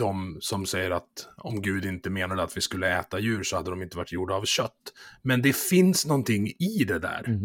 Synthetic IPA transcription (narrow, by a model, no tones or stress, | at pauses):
d̪̥ɔmsɔmsɛjːəɾat̪ɔmɡʉ̟ːd̪ɪnt̪əmeːnaɖəat̪vɪskɵlːəɛːt̪ajʉ̟ːɾsɔhad̪ːəd̪ɔmɪnt̪əvaʈːjuɖaːvɕœt̪ːmɛnd̪ɛfɪnsnɔnt̪ʰɪŋːɪd̪ɛd̪æ̰ːɾ